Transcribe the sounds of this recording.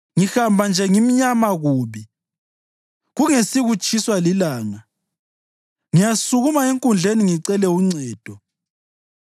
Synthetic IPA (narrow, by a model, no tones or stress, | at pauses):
ŋixambʱand͡ʒʱɛŋimiɲamaɣuːβi | ɣuŋesiɣut͡ʃʰʼiswalilaːŋa | ŋijasuɣumaeŋkʼund͡ɮʱeniŋiǀɛlɛuŋ͡ǀɛːd̥ʱɔ